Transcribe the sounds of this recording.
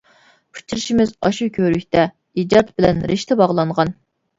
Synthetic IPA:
pʰu̥t͡ʃʰiɾɪʃimɪzɑʃukʲʰøɾykʲt̪ʰɛ | id͡ʒɑt̪bɪlɛ̰nɾʔɪʃt̪ʰɛbɑʁlˠɑɴʁɑn

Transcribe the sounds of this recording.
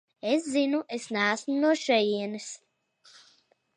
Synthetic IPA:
eszinuʔesnæːsmunuɔʃɛjiɛnɨs

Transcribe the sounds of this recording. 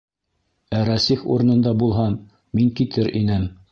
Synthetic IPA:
æɾæsiχṵɾɤ̆nɤ̆nd̪ɑbulˠɦɑn | miŋkit̪ʰɘɾʔinɘm

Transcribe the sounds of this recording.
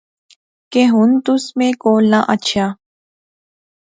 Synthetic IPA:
keɦʊnt̪ʊsmẽkoːlnaʔətːt͡ʃʰaː

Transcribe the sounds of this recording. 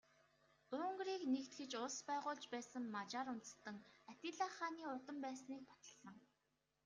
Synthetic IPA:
ɵːŋɡriːknekt̪ɡɘ̆t͡ɕʊɮspæːʁʊːɮt͡ɕpæːsə̆ŋmat͡ɕaːɾʊnt̪ə̥̆st̪ə̆ŋat̪ʲɪɮaːχaːniːʊt̪ə̆mpæːsniːk̚pḁt̪ə̥̆ɮ̥ə̆ŋ

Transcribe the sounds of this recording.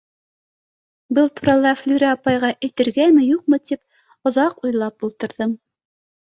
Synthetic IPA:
bɤlˠt̪uɾɑlˠɑflʲyɾʲæɑpɑjʁɑʔɘ̆jt̪ɘ̆ɾɡæmɘ̆juq̚mɤt̪ip̚ | ŏðɑqujlˠɑp̚ulˠt̪ɤ̆ɾðɤm

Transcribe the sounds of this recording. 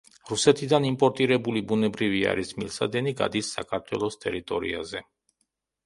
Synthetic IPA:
ɾusɛt̪ʰid̪animpʼɔɾt̪ʼiɾɛbulibunɛbɾivia̰ɾismilsad̪ɛniɡa̰d̪isːa̰kʰaɾt̪ʰwɛlˠɔst̪ʼɛɾit̪ʼɔɾḭa̰zɛ

